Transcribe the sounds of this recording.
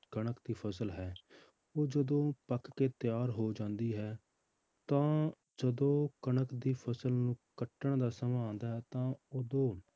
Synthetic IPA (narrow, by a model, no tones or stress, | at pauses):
kəɳəkd̪iːpʰəsəlɦɛː | oːd͡ʒəd̪õːpəkkeːt̪ɪjaːɾɦoːd͡ʒãːnd̪iːɦɛː | t̪ãː | d͡ʒəd̪õːkəɳəkd̪iːpʰəsəlnũːkəʈːəɳd̪aːsəmaãːnd̪aːɦɛːt̪ãːod̪õː